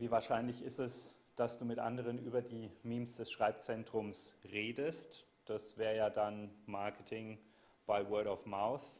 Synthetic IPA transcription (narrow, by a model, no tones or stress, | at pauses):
viːvaːɐʃaɪnlɪçɪstɛs | d̥asd̥uːmɪtʔa̰ndəʁ̞ənʔyːbɐdiːmiːmsd̥ɛsʃʁ̥aɪp̚t͡sɛntʁ̥ʊmsʁeːdəst | d̥asv̥ɛːʁəjaːdanmaɐkətʰɪŋ | b̥aɪwɜɐɾɔfmaʊθ